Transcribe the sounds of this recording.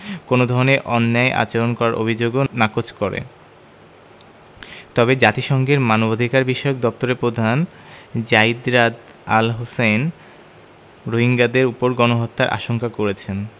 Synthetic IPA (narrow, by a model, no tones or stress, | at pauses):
konod̪ʱɔɾoneʔɔnːaeʔa̰t͡ɕeɾonkɔɾaɾʔo̰bʱid͡ʑoɡonakot͡ɕʰkɔɾḛ | t̪ɔbed͡ʑat̪iʃɔŋɡeɾmanobad̪ʱikaɾbiʃɔok̚d̪ɔp̚t̪oɾepɾod̪ʱan | d͡ʑajid̪ɾad̪a̰lɦosen | ɾoɦiŋɡad̪eɾupoɾɡɔnoɦot̪ːaɾʔa̰ʃoŋkakoɾet͡ɕʰen